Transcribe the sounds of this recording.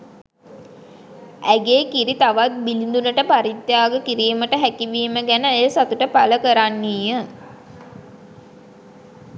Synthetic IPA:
æɡeːkiɾit̪aʋat̪̚bilind̪unəʈəpaɾit̪jaːɡəkiɾiːməʈəɦækiʋiːməɡænəːjəsat̪uʈəpaləkəɾanːiːjə

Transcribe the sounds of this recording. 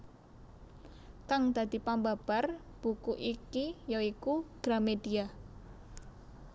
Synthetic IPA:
kaŋd̪̥a̤d̪̥i̤pambab̥a̤r | b̥ukuʔikijoikuɡ̥ɾamedia

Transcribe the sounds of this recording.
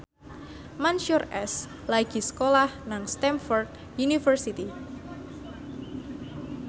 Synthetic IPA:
manʃurɛ̰s | laɡ̥i̤sə̥kolahnaŋst̪ɛmfɔrt̪̚ | junifərsit̪i

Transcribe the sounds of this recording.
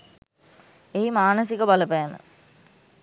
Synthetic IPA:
ejmaːnəsikəbɐləpæːnə̰

